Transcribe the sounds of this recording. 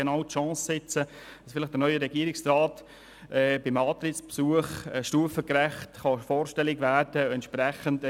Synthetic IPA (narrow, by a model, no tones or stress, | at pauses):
enɑʊtʃɑ̃ːsːɪt͡sə | d̥ɑsfɪlɪχd̥ənœʏəɾɛɡiːəɾɪksraːt | ʔɛːbɪmɑːt̪ɾɪtspsuəχʃtuəfəkrɛχtχɑfɔːɾʃtɛlɪɡvæɾd̥əɛntʃprɛχənt